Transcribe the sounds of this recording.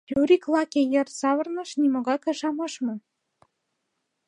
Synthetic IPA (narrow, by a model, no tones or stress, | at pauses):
juɾʲiklˠɑkejɤ̆rsɑβɤ̆rnɤ̆ʃnimoɣɑkɑ̆ʃɑmɑʃmɤ̆